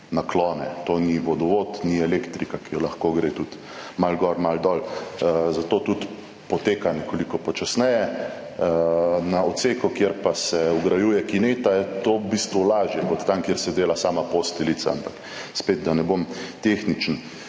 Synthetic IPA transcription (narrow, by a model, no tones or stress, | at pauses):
naklɔːnɛt̪oːniʋɔd̪ɔʋoːt̪niɛleːkt̪ɾikakijɔlaxkoɡɾeːt̪ut̪ | malɡɔɾmald̪ɔːlzat̪oːt̪ut̪ | pɔt̪eːkanɛkolikɔpɔt͡ʃasnɛjɛ | naɔt̪seːkɔkjeɾpasɛuɡɾajuːjɛkineːt̪ajɛt̪obiːst̪ʋulaːʒjɛkɔt̪ːankjeɾsɛd̪eːlasaːmapost̪ilisa̰a̰mpak | speːd̪̚d̪anɛbomt̪exnit͡ʃn̩